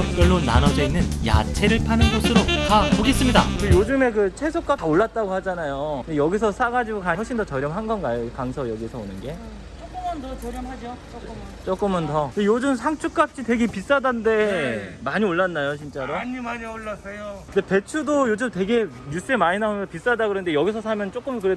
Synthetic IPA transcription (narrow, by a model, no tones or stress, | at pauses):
ʌp̚k͈ʌɭːonanʌd͡ʑʌinːɯnja̰t͡ɕʰeɾɯɭpʰanɯnɡosʰɯɾotapoɡe̞s͈ɯmɲidaejod͡ʑɯme̞kɯt͡ɕʰwe̞sʰok̚k͈ataoɭːat̚t͈aɡohad͡ʑanajondejʌɡisʰʌs͈aɡad͡ʑiɡokaɦʌɭɕ͈ʰindot͡ɕʌɾjʌmɦanɡʌnɡajoikaŋsʰʌjʌɡisʰʌonɯnɡe̞ | t͡ɕok͈mndʌt͡ɕʌɾjʌmhad͡ʑot͡ɕo | t͡ɕ͈ok͈ɯmʌntʌɯndejod͡ʑɯmsʰaŋt͡ɕʰuk͈̚ap̚ɕ͈ʰite̞ɡe̞pis͈adande̞maɲioɭːanːajot͡ɕʰint͡ɕ͈aɾoimaɲioɭːasejoɯndepe̞t͡ɕʰudojod͡ʑɯmte̞ɡe̞ɲus͈ɯe̞maɲinaomʰpis͈adaɡɯɾʌnde̞jʌɡis̬ʰʌsʰamjʌnt͡ɕ͈ok͈ɯmkɯɾe